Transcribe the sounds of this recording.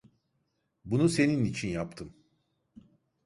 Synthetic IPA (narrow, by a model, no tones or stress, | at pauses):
bunuse̞ninit͡ʃʰinjapt̪ʰɯm